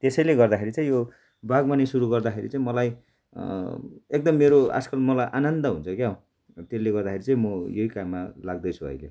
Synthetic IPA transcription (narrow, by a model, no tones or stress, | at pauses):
t̪esʌjleɡʌrd̪akʰeɾit͡saĩjo | baɡmanesuɾuɡʌrd̪akʰeɾḭt͡sãĩmʌlaj | ek̚d̪ʌmːeɾoa̰skʌlmʌlajʔanʌnd̪ʌɦunt͡sʰʌkjaɦo | t̪eleɡʌrd̪akʰeɾit͡saĩmʌjʌɦikamːalaɡ̚d̪ʌjt͡sʰuʌ̰jlḛ